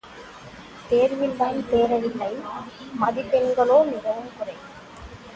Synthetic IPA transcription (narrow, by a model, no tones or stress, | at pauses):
t̪eːɾʋɪnd̪aːnt̪eːɾɐʋɪlːɐɪmɐðɪpːɛnɡɐɭoːnɪɣɐʋɯmkʊrɐɪ